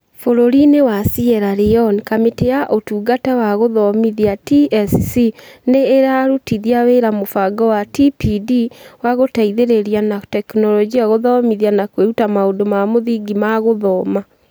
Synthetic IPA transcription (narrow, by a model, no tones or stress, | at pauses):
foɾoɾinewasiɛɾaɾeɔnkameteaʔotuːɡatawaɣoðɔmiðiatiɛssineːɾaɾutiðiaweɾamofaɡɔwatipidiwaɣotaiðeɾeɾianatɛknɔlɔd͡ʒiaɣoðɔmiðianakweutamaodomamoðiɡimaɣoðɔma